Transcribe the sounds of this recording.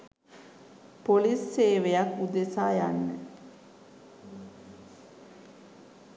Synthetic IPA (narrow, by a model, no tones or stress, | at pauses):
polisseːʋejakːud̪esaːjanːə